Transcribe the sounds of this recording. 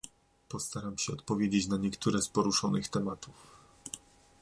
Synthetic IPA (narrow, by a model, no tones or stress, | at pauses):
pɔst̪aɾamɕɛɔt̪pɔvʲjed͡ʑet͡ɕnaɲɛkt̪uɾɛspɔɾuʂɔnɘxt̪ɛmat̪uf